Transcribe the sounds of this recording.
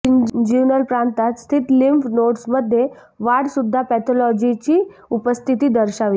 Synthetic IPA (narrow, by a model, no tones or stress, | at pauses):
id͡ʑunəlpɾant̪at̪st̪ʰit̪limpnoʈsməd̪ʱːje | ʋaɽsud̪ʱːapɛt̪ʰɔlɔd͡ʑit͡ɕiː | upəst̪ʰit̪iːd̪əɾɕaʋi